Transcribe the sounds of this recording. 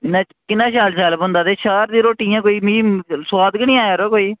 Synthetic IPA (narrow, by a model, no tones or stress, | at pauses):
ɪnaː | kɪnãːʃaːlsaːlbʊ̃nd̪aːt̪eːʃaːɾd̪ĩːɾoːʈiːãːkoːiːmiːmswaːd̪kənĩːãːjaːɾoːkoːiː